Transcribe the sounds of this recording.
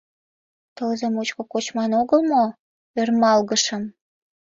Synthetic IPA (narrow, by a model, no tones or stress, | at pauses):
t̪əlzemot͡ɕkokot͡ɕmɑnoɣəlmo | ørmɑlɣəʃə̆m